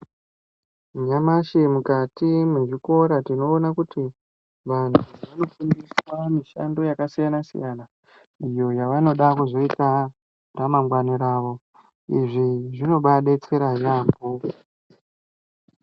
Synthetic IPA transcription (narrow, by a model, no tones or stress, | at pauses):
ɲamaʃemukatimwe̞ʐiko̞ɾatino̞ːnakuti | ʋan̤uʋano̞fundiswamiʃa̰ndo̞jakasijanasḭjana | ijo̞jaʋano̞ɗakuzo̞ita | ramaŋɡwaniɾaːʋo̞ | iʐiʐino̞ɓaɗet͡seɾaʒaːmbu